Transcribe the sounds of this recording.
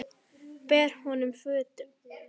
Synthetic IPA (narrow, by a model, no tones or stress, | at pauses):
pɛːɾ̥hɔnʏmfʏːt̪ʏm